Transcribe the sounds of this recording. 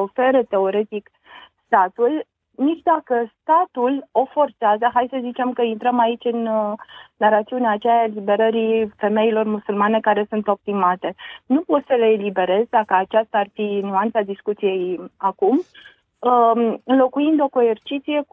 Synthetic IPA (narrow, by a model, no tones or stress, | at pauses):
ofe̞ɾət̪e̞o̞ɾe̞t̪ik | st̪at̪ul | nit͡ʃʲd̪akəst̪at̪ulo̞fo̞rt̪seazəɦajsəzit͡ʃe̞mkəint̪ɾəmait͡ʃʲɨn | narat̪siuneaːt͡ʃealibe̞ɾəɾife̞me̞ilo̞rmusulmane̞kaɾe̞sunt̪o̞p̚t̪imat̪e̞nupot̪səle̞ːlibe̞ɾe̞zd̪akəat͡ʃast̪aːrfinuant̪sad̪iskut̪sije̞jakum | ɨnlo̞kuind̪o̞ko̞ert͡ʃit̪sije̞k